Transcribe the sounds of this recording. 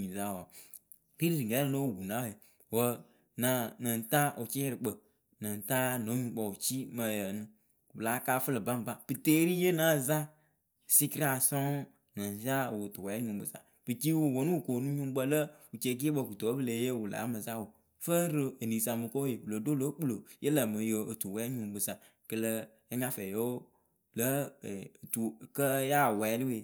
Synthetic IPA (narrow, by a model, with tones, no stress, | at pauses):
ɲi˨za˦˨wa˨ | ɾi˦ɾi˦ɾɨ˨ɛ˨˦˨no˦wwu˨na˦˨je˨ | wə˨ | na˨nə˨n˨ta˦ʔu˨t͡ʃi˦ɛ˦ɾɨ˨k͡pə˨ | nə˨n˨ta˦no˨˦ɲũ˨˧˦ɡ͡bə˨wu˨t͡ʃi˦mə˨jə˨nɨ̃˦˨ | bɨ˨la˨˦kaː˦fə˦lə˨ba˦m˨ba˦b̥ɨ˨te˦ɾi˦je˦na˨˦˨za˦˨ | si˦ki˦ɾa˨sɔ˦ | nə˨n˨za˦˨wu˨tu˨wɛ˨˦ɲũ˨mbə̰˨sa̰˨ | b̥ɨ˨t͡ʃi˦wu˨wo˨nũ˦wu˨ko˨nũ˦ɲũ˦m˦bə˦lə˦wu˨t͡ʃe˨k̬i˦e˦bə˨ku˨to˨˦bɨ˦le˨˦je˦wu˨la̰˨˦mə˨za˦wo˨ | fə˦ɾɨ˦e˨ni˨sa˨mɨ˨ko˦we˨wu˨lə˨do˦lo˦k͡plo˨jʔe˦lə˨mə˨jo˨o˨tu˨wɛ˨˦ɲ˦ũ˨bɨ˨sa˨ | kə˨lə˦ | e˦ŋa˦fɛ˨jo˦wo˦ | lə˦˨ | tu˨kə˦ja˦˨wɛ˨˦li˦we˨